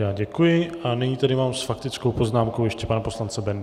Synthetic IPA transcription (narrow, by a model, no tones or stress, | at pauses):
jaːɟɛkujɪʔanɪɲiːt̪adɪmaːmsfakt̪ɪt͡skowpo̞znaːmkowjɛʃcɛpanapo̞slant͡sɛbɛnd